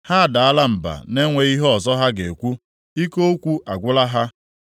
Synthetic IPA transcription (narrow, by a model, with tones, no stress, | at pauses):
ha˦˨da˨a˦la˦m̩˨ba̰˨ne˦ŋʷe˨i˦ɦɔ˨zɔ˦ɦa˦ɡe˨kʷu˦ | i˦ko˦kʷu˦a˨ɡʷʊ˦la˦ɦa˦